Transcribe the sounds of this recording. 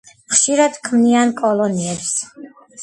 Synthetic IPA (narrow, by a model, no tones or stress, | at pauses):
χʃiɾad̪kʰmniankʼɔlɔniɛps